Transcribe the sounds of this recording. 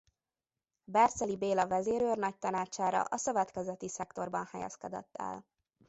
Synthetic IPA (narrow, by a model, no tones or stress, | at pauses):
bɛrt̪sɛlibeːlɒvɛzeːɾøːrnɒc̚t̪ɒnaːt͡ʃaːɾɒ̰ʔɒsø̞vɛt̪kɛzɛt̪isɛkt̪o̞rbɒnhɛjɛ̰skɛd̪ɛ̰t̪ːɛ̰l